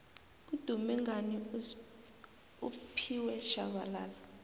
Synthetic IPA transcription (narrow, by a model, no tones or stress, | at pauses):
ud̥ʱumɛŋani | upʰiwɛʃa̰ɓ̬alaːla